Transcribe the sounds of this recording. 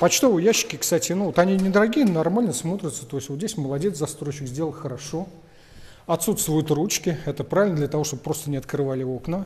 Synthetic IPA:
pɐt͡ɕt̪o̞vəjæɕːɪ̥kʲɪkst̪atʲɪnuot̪ɐnʲinʲɪd̪əɾɐɡʲijənɐrmalʲnəsmo̞t̪ɾʲɪt̪sə̥t̪o̞ɪsʲtʲvozʲdʲesʲməlˠɐdʲe̞t̪sɐst̪ɾo̞ɕɪkzʲdʲe̞lˠəlˠxəɾɐʂo̞ | ɐt̪sut̪st̪vʊjʊt̪rut͡ɕkʲɪɛt̪əpɾavʲɪlʲnəd̪lʲət̪ɐvo̞ʂt̪obəpɾo̞st̪ənʲɪɐt̪kɾɨvalʲɪo̞knə

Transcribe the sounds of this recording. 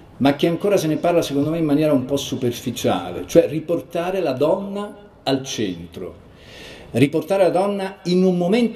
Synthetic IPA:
mak̟ːeaŋkoːɾaseneparlasekond̪omeimːanjɛːɾaumpɔsːuperfit͡ʃa̰ːlḛt͡ʃoɛriport̪aːɾelad̪ɔnːa | alt͡ʃɛnt̪ɾo̰ | riport̪aːɾelad̪ɔnːainumːoment̪

